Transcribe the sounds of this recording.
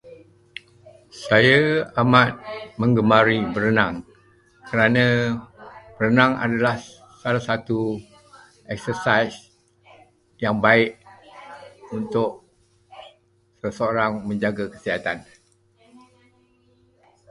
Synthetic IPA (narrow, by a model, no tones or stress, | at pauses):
sajaamat̪̚mə̃ŋɡəmaɾibəɾənãŋ | kəɾanã | b̥əɾənãŋa̰dalah | salasat̪u | ɛk̚səsajs | jaŋbaɪʔ | unt̪ʊʔ̚ | səsəoɾaŋmə̃ɲd͡ʒaɡakə̥siɦat̪an